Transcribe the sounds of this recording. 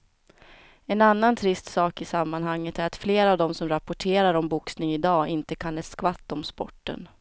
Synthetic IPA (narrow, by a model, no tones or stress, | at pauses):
ɛnanːant̪ʰɾɪst̪sɑːkɪsamːanɦaŋːət̪æɾat̪fleːɾavd̪ɔmsɔmɾapːɔʈʰeːɾaɾɔmbʊksnɪŋɪd̪ɑːɪnt̪əkʰanɛskvat̪ːɔmspɔ̰ʈːə̰n